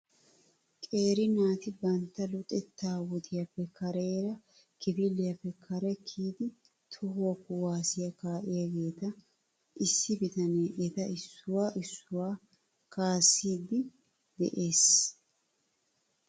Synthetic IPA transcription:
kʼe̞ːɾɪnaːt̪ɪbɐnt̪ːɐlʊt̪ʼɛt̪ːaːwɔt̪ɪjɐpːɛkːɐɾeːɾɐ | kɪbɪlːɪjɐpːɛkʰɐɾɛkʰiːd̪ɪ | t̪ʰʊhoːkːʊwaːsɪjɐkaːʔɪjɐɡe̞ːt̪ɐ | ʔɪsːɪbɪt̪ɐneːʔɛt̪ɐɪsːʊwaːʔɪsːʊwaː | kaːsːiːd̪ɪ | d̪ɛ̰ʔe̞ːs

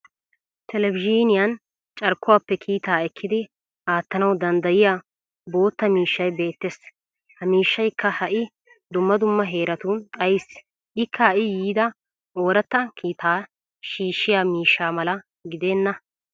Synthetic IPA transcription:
t̪ʰɛlɛbɪd͡ʒiːnɪjɐn | t͡ʃʼɐɾkːʊwaːpːɛkʰiːt̪aːɛkʰːɪd̪ɪ | ʔaːt̪ːɐnɐwd̪ɐnd̪ɐjɪjaː | bo̞ːt̪ːɐmiːʃːɐjbe̞ːt̪ːes | hɐmiːʃːɐjkːɐhɐʔɪ | d̪ʊmːɐd̪ʊmːɐɦe̞ːɾɐt̪ʊt̪ʼɐjɪs | ʔɪkʰːɐhɐʔɪjiːd̪ɐ | ʔo̞ːɾɐt̪ːɐkʰiːt̪ʰaː | ʃiːʃːɪjaːmiːʃːaːmɐlɐ | ɡɪd̪e̞ːnːɐ

